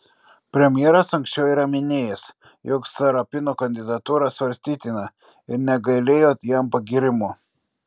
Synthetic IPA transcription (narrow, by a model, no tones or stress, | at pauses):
pʲɾʲɛmʲjɛɾɐsɐŋʲksʲt͡ʃʲɛʊiːɾɐmʲɪnʲeːjɛs | joːksɐɾɐpʲɪnoːkɐnʲd̪ʲɪd̪ɐt̪uːɾɑsʋɐɾʲsʲt̪ʲiːt̪ʲɪnɐ | ɪɾnʲɛɡɐɪlʲeːjoːt̪jɛmpɐɡʲiɾʲɪmu